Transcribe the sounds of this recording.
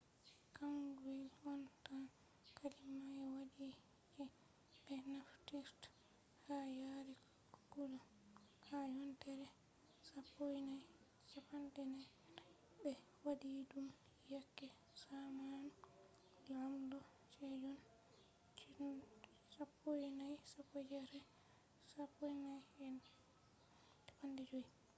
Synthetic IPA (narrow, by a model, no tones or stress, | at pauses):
kaŋɡwɛlɔnta | kʰalimaɛwadi | d͡ʒɛ | bɛnaftiɾt | hajaɾɛ | kulɔ | hajɔntɛɾɛ | sapːojnaj | safantɛnaj | bɛ | wadidum | jakːɛ | saman | lamdɔ | t͡ʃɛd͡ʒɔn | t͡ʃ | sapːojnajsapːɔd͡ʒɛɾɛ | sapːojnajɛn | tḁpandɛd͡ʒoji